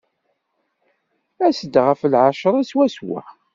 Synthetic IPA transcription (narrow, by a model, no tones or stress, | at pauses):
æsəd̪ʁəflʕaʃəɾˤæswæswæ̰